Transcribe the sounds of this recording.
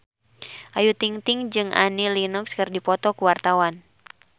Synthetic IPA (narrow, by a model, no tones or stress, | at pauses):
ʔajut̪iŋt̪ɪŋd͡ʒɨŋʔa̰nilinukskərdipɔt̪ɔkuwart̪awan